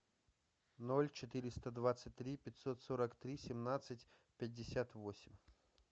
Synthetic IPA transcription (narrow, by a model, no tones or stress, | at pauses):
nolʲt͡ɕɪt̪ɨɾʲɪst̪əd̪vat̪sːɨt̚ʲt̪ːɾʲipʲɪt̪sot̪soɾəkt̪ɾʲisʲɪmnat̪sɨtʲ | pʲɪdʲːɪsʲat̪vosʲɪmʲ